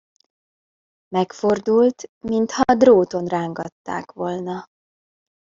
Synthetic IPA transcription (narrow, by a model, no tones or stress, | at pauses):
mɛkfo̞rd̪ult̪mint̪hɒd̪roːt̪o̞nraːŋɡɒt̪ːa̰ːkʋo̞lnɒ